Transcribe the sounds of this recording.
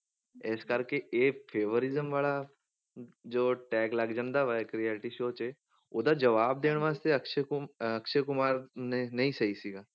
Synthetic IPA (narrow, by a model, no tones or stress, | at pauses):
eːskəɾkeʔeːpʰeːʋəɾɪzəmʋaːla | d͡ʒoːʈɛːkləɡd͡ʒə̃nd̪aːʋakɾieːʈiʃoːt͡ʃe | od̪ad͡ʒəʋaːb̚d̪eːɽ̃ʋaːst̪eɐkʃʰekʊɐkʃʰekʊmaːɾnnɐɦĩsəisiɡaː